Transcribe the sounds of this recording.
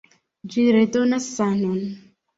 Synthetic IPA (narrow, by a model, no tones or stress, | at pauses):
d͡ʒiɾet̪onasanɔn